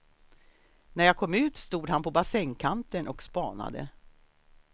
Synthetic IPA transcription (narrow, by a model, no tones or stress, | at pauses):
næɾjaːkʰɔmʉ̟ːt̪st̪uːd̪hanpʰɔbasɛŋkʰant̪ənʔɔkspɑːna̰d̪ə̰